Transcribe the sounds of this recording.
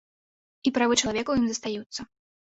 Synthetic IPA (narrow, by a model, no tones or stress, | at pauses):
ipɾavɨt͡ʂɐlˠavʲɛkɐwjimzɐst̪ajut̪sːɐ